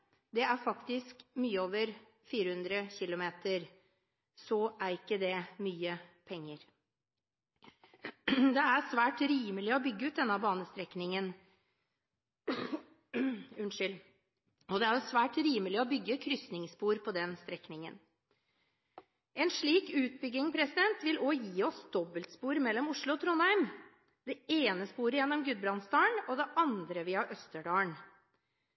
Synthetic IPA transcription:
d̪ɛæɾfɑkt̪ɪskmyːəoːʋəɾ | fiːɾəhʉnd̪ɾəçɪlʊmeːt̪əɾ | sɔʔæɾɪkːəd̪ɛmyːəpʰɛŋːəɾ | d̪ɛæɾsʋæːʈɾiːməlɪɔbʏɡːəʉːt̪d̪ɛnːəɑbɑːnəst̪ɾɛknɪŋən | ʉnʂʏl | ɔd̪ɛæɾjʊsʋæːʈɾiːməlɪɔbʏɡːəkʰɾʏsnɪŋspuːɾpʰɔd̪ɛnst̪ɾɛknɪŋə̰n | ʔɛnʂɭiːkʉːt̪̚bʏɡːɪŋpʰɾɛsɪd̪ɛnt̪ʋɪlojiːɔsd̪ɔbːəlt̪spuːɾmɛlːɔmʊʂɭʊɔt̪ʰɾʊnæɪm | d̪̥ɛeːnəspuːɾəjɛnːɔmɡʉd̪̚bɾɑnst̪ɑːɳɔd̪ɛʔɑnd̪ɾəʋɪːhɑʔœst̪əɖɑːəɳ

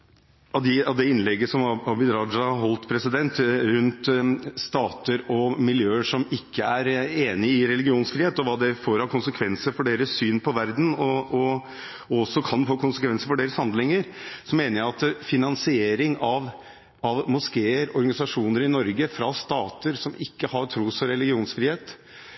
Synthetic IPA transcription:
ɑd̪ɪɑd̪ɛɪnlɛɡːəsɔmɑhɑbɪd̪ɾɑɑɦɔlt̪pʰɾɛsɪd̪ɛnt̪ɾʉnt̪st̪ɑːt̪əɾɔmɪljøːəʂɔmɪkʰːəæɾeːnɪɪɾɛlɪɡɪuːnsfɾiːeːt̪ɔʋɑːd̪ɛfoːɾhɑkʰʊnsəkʰʋɛnsəɾfɔɖeːɾəsːyːnpʰɔʋæɾd̪n̩ɔɔ | ɔsːɔkʰɑnfoːkʰʊnsəkʰʋɛnsəɾfɔɖeːɾəshɑnd̪lɪŋəɾsɔmeːnəɾjæɑt̪fɪnɑnsɪeːɾɪŋɑʋ | ɑʋmʊskeːəɾɔɾɡɑnɪsɑʂuːnəɾɪnɔɾɡəfɾɑst̪ɑːt̪əɾsɔmɪkːəhɑɾʈ̪ʰɾuːsɔɾɛlɪɡɪuːnsfɾiːheːt̪

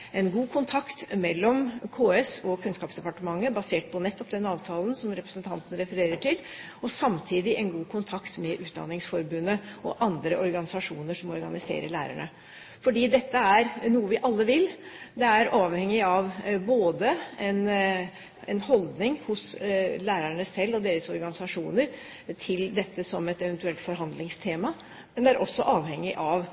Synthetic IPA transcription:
ɛnɡuːkʰʊnt̪ʰɑkt̪mɛlːɔmkʰoːɛsɔkʰʉnskɑːpsd̪ɛpɑʈəmɑŋːəbɑseːʈ̚pʰɔnɛt̪ːɔpd̪ɛnɑːʋt̪ʰɑːln̩sɔmɾɛpɾə̥snt̪ʰɑnt̪ənəɾɛfəɾeːɾəʈʰɪl | ɔsɑmt̪ʰiːd̪ɪʔɛnɡuːkʰʊnt̪ʰɑkt̪mɛʔʉːt̪̚d̪ɑ̰nɪŋsfɔɾbʉnːəɔ̰ʔɑnd̪ɾəʔɔɾɡɑnɪsɑʂuːnəʂɔmɔɾɡɑnɪsḛːɾə̰ɭæːɾæ̰ɳə | fɔɖiːd̪ɛt̪ːəæɾnuːəʋɪʔɑlːəʋɪlːd̪ɛæɾʔɑːʋhɛŋːɪɑʋboːd̪əɛn | ɛnhɔld̪nɪŋhʊslæːɾæɳəsɛlːɔd̪eːɾəsɔɾɡɑnɪsɑʂuːnəɾ | t̪ʰɪld̪ɛt̪ːəsɔmɛt̪ɛʋɛnt̪ʉɛlt̪fɔɾɦɑnd̪lɪŋst̪ʰeːmɑ | mɛnd̪ɛæɾʔɔsːɔʔɑːʋhɛŋːɪʔɑʋ

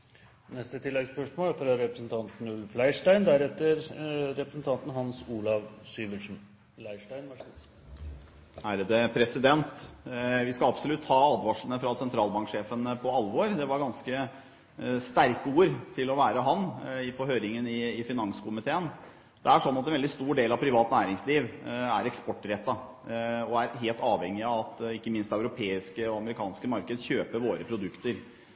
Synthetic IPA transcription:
nɛst̪ət̪ʰɪlːɛɡspœʂmoːlfɾɑɾɛpɾəsn̩t̪ʰɑnt̪n̩ʉlflæɪʂʈæɪnd̪æɾɛt̪ːəɾɾɛpɾəsn̩t̪ʰɑnt̪n̩hɑnsuːlɑʋsyːʋəʂn̩ | læɪʂʈæɪn | hæɾəd̪ɛpʰɾɛsɪd̪ɛnt̪ʋɪskɑɑbsɔlʉt̪ːhɑːɑːd̪ʋɑʂənəfɾɑsɛnt̪ʰɾɑːlbɑŋkʂeːfənpʰɔɑlːʋoɾd̪ɛʋɑɾɡɑnskə | st̪æɾkuːɾt̪ʰɪlɔʋæːɾəɦɑnːɪpʰɔɦøːɾɪŋənɪːfɪnɑŋskʰʊmɪt̪ʰeːən | d̪̥ɛæʂɔnːɑt̪ɛnʋɛlɪst̪uːɖeːlɑʋpʰɾɪʋɑːt̪næːɾɪŋsliːʋæ̰ɾɛkspɔʈːɾɛt̪ːɑ | ɔæɾɦeːlt̪ɑːʋhɛŋːɪɑɑt̪ɪkːəmɪnst̪œʉɾʊpʰeːɪskəɔɑməɾɪkʰɑːnskəmɑɾkəd̪əçøːpəɾʋoːɾəpʰɾʊd̪ʉkt̪əɾ

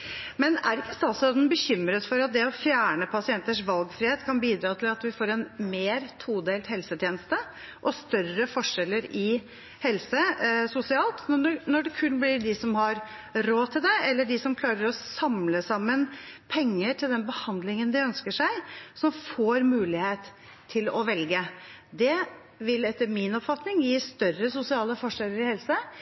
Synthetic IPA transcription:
mɛnæ̰ɾɪkːəst̪ɑːlsɔd̪nbəçʏmːɾət̪fɔɾɑt̪̚d̪ɛɔfjæːɳəpʰɑsɪɛnt̪əʂʋɑlɡfɾɪheːt̪kʰɑnbiːd̪ɾɑːt̪ʰɪlɑt̪ʋɪfoːɾɛnmeːɾt̪ʰuːd̪eːlt̪hɛlsət̪ʰjeːnəst̪ə | ʔɔst̪œrəfɔʂɛlːəɾɪ | hɛlsəsʊsɪɑːlt̪nnɔɖɛkʰʉnːblɪɖɪsɔmhɑɾ | ɾoːt̪ʰɪld̪ɛɛlːəɖɪsɔmkʰlɑːɾəɾɔsɑmləsɑmːənpʰɛŋːəʈʰɪld̪ɛnbəhɑnd̪lɪŋənd̪ɪœnskəʂæɪsɔmfoːɾmʉːlɪheːt̪ʰː | ɪlɔʋɛlɡəd̪ɛ | ʋɪlɛt̪ːəɾmɪnɔpfɑt̪nɪŋjiːst̪œrːəsʊsɪɑːləfɔʂɛləɾɪhɛlsə

